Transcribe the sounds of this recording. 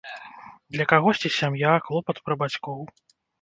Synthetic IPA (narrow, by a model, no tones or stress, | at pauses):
d̪lʲɐkaɣɔʂt͡sʲisʲamjaklˠɔpɐt̪pɾɐbat͡sʲkɔw